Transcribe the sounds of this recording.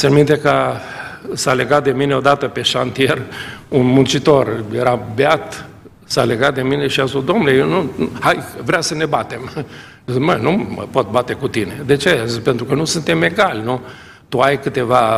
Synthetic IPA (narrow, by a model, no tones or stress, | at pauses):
seanmint̪ekə | saleɡat̪̚d̪e̞mineo̞d̪at̪əpe̞ʃa̰nt̪ie̞runmunt͡ʃit̪o̞rjeɾabeat̪ | sale̞ɡat̪̚d̪e̞mine̞ʃiasusd̪omnlejewnuhajvɾeasəne̞bat̪e̞m | zmənumə̰po̞t̪̚bat̪e̞kut̪ine̞d̪e̞t͡ʃe̞zpent̪ɾukənusunt̪e̞me̞ɡalʲnu | t̪uajkɨt̪e̞va